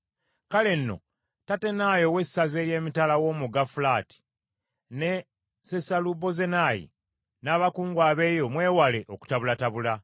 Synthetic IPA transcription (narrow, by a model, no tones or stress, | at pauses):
kale̞nːo̞̰ | tate̞naːjo̞we̞ssaze̞ːje̞ːmitalawo̞muɡafulaːti̥ | ne̞ | sesalubo̞ze̞najḭ | naːβakuːŋɡwaːβe̞ːjo̞mwe̞ːwale̞ʔoku̥taβulataβula